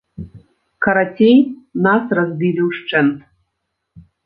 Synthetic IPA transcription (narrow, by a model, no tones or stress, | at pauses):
kɐɾatʲejnasrazbʲilʲiwʂt͡ʂɛnt̪